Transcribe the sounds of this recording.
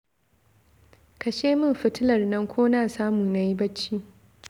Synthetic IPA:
kɐ˨ʃeː˦mɪ˦mɸɪ˦tɪ˦lɐ˨rnɐ˦ŋkʷoː˦naː˨saː˦mu˨na˨ji˦bɐ˦t͡ʃːiː˦

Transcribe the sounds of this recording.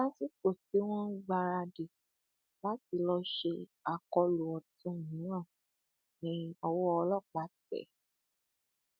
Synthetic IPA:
a˦si˦k͡po˦˨se˨˦w̃ɔ̃˦ɡ͡ba˧ɾa˧de˨ | la˨˦ti˧lɔ˧ʃe˧a˧kɔ˧lu˨ɔ˨tũ˨˦˨jĩ˨˦ã˦˨ | nĩ˨˦ɔ˧wɔ˦ɔ˧lɔ˦˨k͡pa˨˦tɛ̰˨

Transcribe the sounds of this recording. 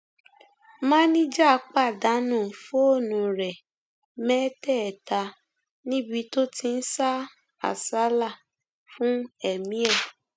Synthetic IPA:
mãː˦nĩ˦d͡ʒa˦˧k͡pa˦˨da˨˦nũ˦˨fo˦o˦˨nũ˨˧ɾɛ˨ | mɛ˦tɛ˦˨ɛ˨ta˧ | nĩ˦bi˧˦to˦ti˧n̩˦sa˦ | a̰˨sa˨˦la˦˨ | fũ˦ɛ˨mĩ˨˦ɛ˦˨

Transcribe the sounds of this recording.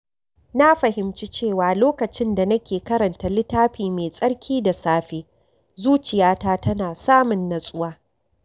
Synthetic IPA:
na˦ɸɐ˨ɦɪ˨mt͡ʃi˦t͡ʃeː˦˨waː˨loː˦kɐ˨t͡ʃɪ˦nda˨nɐ˦kʲeː˨kɐ˦ɾɐ˨nta˨lɪ˦taː˦ɸiː˨meː˨sʼɐ˦ɽkʲʰiː˦da˨saː˦ɸeː˦ | zuː˦t͡ʃɪ˨jaː˦taː˦tɐ˦naː˨saː˦mʊ˨nːɐ˨sʼʊ˦waː˦

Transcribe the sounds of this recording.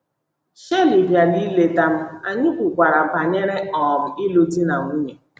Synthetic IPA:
ʃe˦li˨bja˨ni˦le˨ta˦m̩˦a˨ɲɪ˦kʷu˨kʷa˨ɾa˨m̩˨pa˨ɲe˦ɾe˦ɔ˨m̩˨i˦lo˦ti˦na˨ŋʷu˦ɲe˨

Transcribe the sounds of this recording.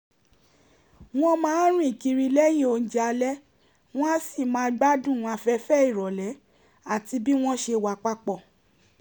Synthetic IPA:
w̃ɔ̃˦mãː˨˦ɾ̃ĩ˦i˨ki˧ɾi˧lɛ˦j̃ĩ˦˨o˧n̩˦d͡ʒi˦a˧lɛ˦ | w̃ɔ̃˦a˦si˦˨mãː˨˦ɡ͡ba˦dũ˦˨˧a˧fɛ˧fɛ˦i˦˨ɾɔ˨lɛ˨˦ | a˦˨ti˧bi˦w̃ɔ̃˦ʃe˧wa˧k͡pa˦k͡pɔ˦˨

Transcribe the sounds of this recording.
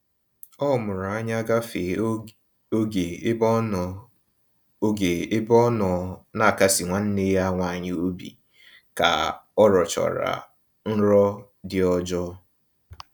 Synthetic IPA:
ɔ˦˨mʊ˨ɾʊ˨a˦ɲa˦ɡa˦fe˨ | o˦ɡe˨˦b | o˦ɡe˨˦bɔ˦nɔ˨na˦˨ka˦si˨ŋʷa˨n̩˦ne˦ja˦ŋʷa˦˨ɲɪ˦o˦bḭ˨ | ka̰˨ɔ˦ɾɔ˨t͡ʃɔ̰˨ɾa̰˨ | n̩˦ɾɔ˦ | dɪ˦ɔ˦d͡ʒɔ˦

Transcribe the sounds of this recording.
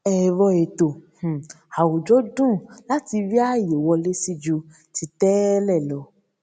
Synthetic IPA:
ɛ˧ɾɔ˧e˨to˨h̩˨ | a˨wo˨d͡ʒɔ˦dũ˦˨la˨˦ti˧vi˦a˦˨je˨wɔ˧le˦si˦d͡ʒu˧ | ti˧tɛ˦lɛ˦˨lɔ˨˦

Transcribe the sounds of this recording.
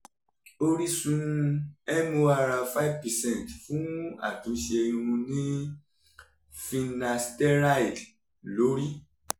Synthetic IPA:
o˦ɾi˦sũ˦˧ɛ˦mõ˧˦a˧ɾa˧fa˦i˦vpɛ˨sɛ̃˦˨tfũ˨˦a̰˦˨tũ˨˦ʃe˧e˧j̃ũ˧ɾũ˧nĩ˦ | fĩ˧na˧stɛ˦ɾa˦i˨ | lo˨˦ɾi˦

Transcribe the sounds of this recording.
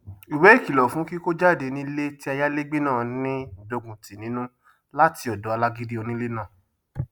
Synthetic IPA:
i˨wɛ˨˦i˦˨ki˨lɔ˨fũ˨˦ki˦ko˦d͡ʒa˦˨de˧nĩ˧˦le˦ti˦a˧ja˦le˦ɡ͡be˦nãː˦˨˦nĩ˦˨do˨˧ɡũ˨ti˨nĩ˨˦nũ˦ | la˦ti˧ɔ˨dɔ˨˦a˧la˦ɡi˦di˦o˧nĩ˦le˦nãː˦˨

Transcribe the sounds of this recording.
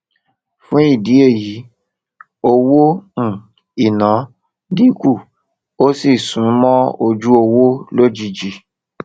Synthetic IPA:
fũ˦i˦˨di˨˦e˦˨ji˨˦ | o˧wõ˦˨ | i˨nã˨˦ | di˦ku˦˨ | o˦si˦˨sũ˨˦mɔ̃˦o˧d͡ʒu˦o˧wo˦lo˦d͡ʒi˧d͡ʒi˧

